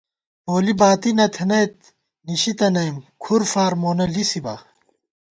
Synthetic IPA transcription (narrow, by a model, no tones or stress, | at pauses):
oːlibaːt̪inɐt̪ʰɐnɐjt̪̚ | niɕit̪ɐnɐjmkʰuɾfaːɾmoːnɐlisiba̰ː